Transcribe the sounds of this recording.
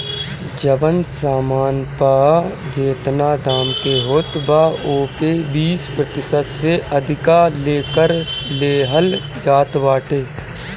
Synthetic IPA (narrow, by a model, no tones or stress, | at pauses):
d͡ʒəbənsaːmaːnpad͡ʒeːt̪nad̪ʱaːmt̪eɦoːt̪baoːpebiːspɾət̪ɪʃət̪seʔəd̪ʱɪkaleːkəɾleːɦəl | d͡ʒaːt̪baːʈeː